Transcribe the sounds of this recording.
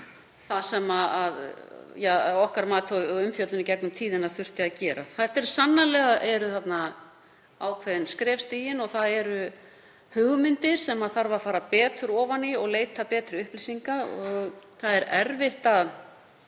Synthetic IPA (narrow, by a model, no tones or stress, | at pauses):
θasɛmaaðjaɔhkaɾmaːt̪ʰɔʏmfjœt̪lʏnicɛknʏmt̪ʰiːðɪnaðfʏr̥t̪ɪacɛːɾa̰θajht̪ɛɾ̥sanːalɛɣaʔɛɾʏθat̪na | aːwkʰvɛðɪnskɾɛːfst̪iːjɪnɔɣθaðɛɾʏ | hʏɣʏmɪnt̪ɪɾ̥sɛmaðθaɾvafaːɾapɛːt̪ʏɾɔːvaniɔɣleːjt̪apɛːt̪ɾʏʏhplisiŋkaɔɣθaðɛɾɛɾvɪht̪að